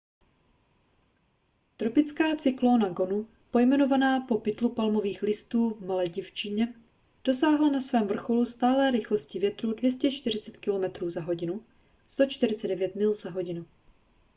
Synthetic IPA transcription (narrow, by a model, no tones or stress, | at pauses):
t̪ɾo̞pɪt͡skaːt͡sɪklo̞ːnaɡo̞nu | po̞jmɛno̞vanaːpo̞pɪt̪lupalmo̞viːxlɪst̪uːvmalɛːɟɪft͡ʃɪɲɛ | d̥o̞saːɦlanasvɛːmvr̩xo̞lust̪aːlɛːɾɪxlo̞scɪvjɛt̪ɾuːdvjɛscɛt͡ʃt̪ɪr̝ɪt͡sɛt̪kɪlo̞mɛt̪ɾuːzaɦo̞ɟɪnu | st̪o̞t͡ʃt̪ɪɾɪt͡sɛdɛvjɛt̪mɪlzaɦo̞ɟɪnu